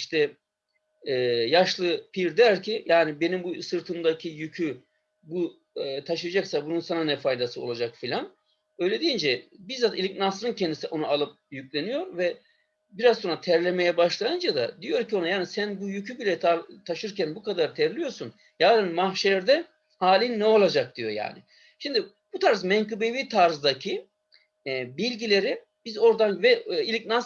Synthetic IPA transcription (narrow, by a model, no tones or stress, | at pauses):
iʃt̪ʰɛ | jaʃlˠɯpʰiɾd̪æɾcʰijaːnibe̞nimbusɯɾt̪ʰɯmd̪acʰijycʰy | bu | t̪ʰaʃɯjad͡ʒaksabununsananɛfajd̪asɯo̞̰lˠad͡ʒakfilʲan | ø̞jlʲe̞d̪ijind͡ʒɛbiɾzat̪ilʲicnasɾɯncʰɛnd̪isiʔo̞nualˠɯp̚jycʲlʲe̞nijo̞ɾvɛ | biɾazsonɾat̪ʰɛɾlʲeme̞jɛbaʃlˠajɯnd͡ʒad̪a̰d̪ijo̞ɾcʰio̞najaːnisænbujycʰybilʲɛt̪ʰaɾt̪ʰaʃɯɾcʰænbukad̪aɾt̪ʰɛɾlʲijo̞ɾsun | jaːd̪ɯnmahʃɛɾd̪ɛ | haːlʲinːɛo̞lˠad͡ʒak̚d̪̥ijo̞̰ja̰ːnɪ | ʃimd̪i | but̪ʰaɾzmɛŋkɯbeviːt̪ʰaɾzd̪acʰi | bilʲɟilʲe̞ɾi | b̥izo̞ɾd̪anvɛilʲic̚nas